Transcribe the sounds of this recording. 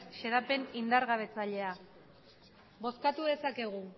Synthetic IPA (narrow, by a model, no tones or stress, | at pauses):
ʃe̞ɾape̞nind̪aɾɣaβ̞e̞t͡saʎe̞a | bo̞skat̪uðe̞sake̞ɣu